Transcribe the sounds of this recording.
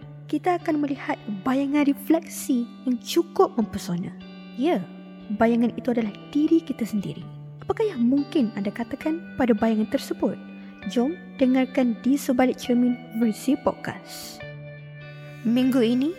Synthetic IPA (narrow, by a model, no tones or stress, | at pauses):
kit̪aːkanmə̃lihat̪̚bajaŋãnriflɛk̚sijaŋt͡ʃukʊp̚mə̃mpərsonã | ja | bajaŋãnit̪uadalahdiɾikit̪asəndḭɾḭ | apakajaŋmuŋkɪnandakat̪akanpadabajaŋãnt̪ərsəbʊt̪̚ | d͡ʒɔm | dəŋarkandisəbalɪk̚t͡ʃɛmĩnvərsipɔ̰t̚ka̰s | mĩŋɡuinĩ